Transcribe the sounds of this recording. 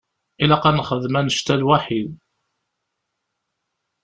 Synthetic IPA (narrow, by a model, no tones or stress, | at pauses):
ilæqɑnχəðmænəʃt̪ælwaħid̪